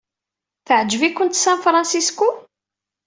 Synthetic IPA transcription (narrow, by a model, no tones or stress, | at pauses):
θəʕd͡ʒːvikːʊnt̪sæ̃nfɾˤɑnsisku